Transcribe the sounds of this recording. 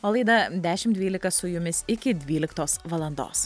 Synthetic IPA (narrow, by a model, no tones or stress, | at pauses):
oːlˠɐɪd̪ɐd̪ʲæːʃʲɪmd̪ʲʋʲiːlʲɪkɐsʊjʊmʲɪsɪkʲɪd̪ʲʋʲiːlʲɪkt̪oːsʋɐlˠɐnd̪o̰ːs